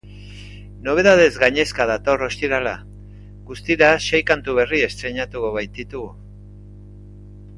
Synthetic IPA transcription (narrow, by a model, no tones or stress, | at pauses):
no̞β̞e̞ðað̞e̞zɡaɲe̞skað̞at̪o̞ro̞st̪iɾala | ɡust̪iɾaʃe̞jkant̪uβ̞e̞rie̞st̪ɾe̞ɲat̪ukoβajt̪it̪uɣu